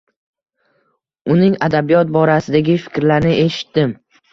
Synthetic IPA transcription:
ʊnɪŋad̪abijɒt̪̚bɒɾasɪd̪aɡʲɪfɪ̥kʲɾlaɾnɪʔe̞ʃɪ̥t̪ːɪm

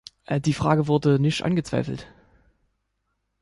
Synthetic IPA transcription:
ʔd̥iːfʁ̥aːɡəvʊɐdənɪçtʔa̰nɡət͡sv̥a̰ɪfl̩t

